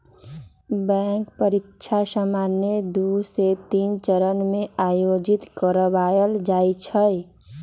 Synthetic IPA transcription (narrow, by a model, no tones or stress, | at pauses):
bɛ̃ːŋkpəɾɪkʃʰasəmaːnjed̪uset̪iːnt͡ʃəɾənmẽaːjoːd͡ʒɪt̪kəɾbaːjəld͡ʒaːit͡ʃʰəj